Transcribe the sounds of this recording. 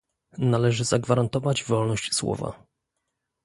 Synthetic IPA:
nalɛʐɘzaɡvaɾant̪ɔvad͡ʑvɔlnɔɕt͡ɕswɔ̰va̰

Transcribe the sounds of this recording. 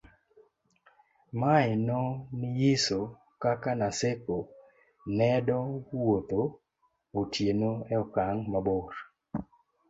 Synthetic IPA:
maɪnɔnɪjiso | kakanaseko | nɛdɔwot̪o | otjenoɛɔkaŋmaboɾ

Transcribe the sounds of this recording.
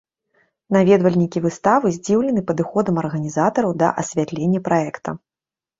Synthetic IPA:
navʲɛd̪vɐlʲnʲikʲivɨst̪avɨzʲd͡zʲiwlʲɛnɨpɐd̪ɨxɔd̪ɐmɐrɣɐnʲizat̪ɐɾɐwd̪ɐ̰ʔɐ̰sʲvʲat̪lʲenʲːɐpɾaɛkt̪ʰɐ

